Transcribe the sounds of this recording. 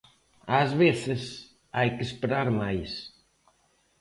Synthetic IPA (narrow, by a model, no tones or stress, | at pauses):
azβeθɪs | ajkɪespeɾaɾmajs